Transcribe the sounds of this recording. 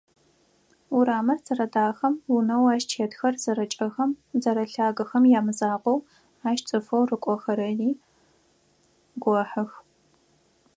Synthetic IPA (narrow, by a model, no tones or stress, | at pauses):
uɾaːmɐrt͡sʼɐrɐdaːxɐmwʊnɐwaːʃt͡ʃʰeːtxɐrz̥ɐɾɐt͡ʃʼɐxɐmzɐɾɐɬaːɡɐxɐmjaːmɨzaːqʷɔw | aːʃt͡sʼɨfɐwrɨkʷʼɔxɐɾɐjiː | ɡʷɔħɨx